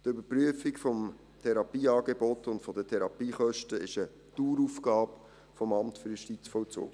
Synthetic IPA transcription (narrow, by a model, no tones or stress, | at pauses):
tʏbəpɾyəfɪkfɔm | tʰɛɾɑpiːɑːɡebɔtʊntfɔdətʰɛɾɑpiːχœʃtəɪʃə | tuːɾufɡɑːb | fɔmɑmtfʏɾjʃtit͡sfɔt͡so̰ːɡ